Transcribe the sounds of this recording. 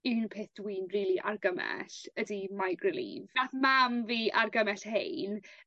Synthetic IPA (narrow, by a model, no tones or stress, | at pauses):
ɪwnpʰeːθd̥wiːnriːlˠiʔarɡəmɛ̰ɬədimajɡrɪlḭːvnaθmamviːʔarɡəmɛɬhḛjn